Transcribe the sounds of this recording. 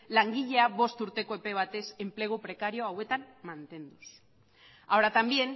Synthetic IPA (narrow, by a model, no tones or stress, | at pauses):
laŋɡiʎe̞aβo̞st̪uɾt̪e̞ko̞epe̞β̞at̪e̞se̞mple̞ɣ̞upɾe̞kaɾio̞awe̞t̪ammːant̪e̞nd̪us | ao̞ɾat̪ambje̞n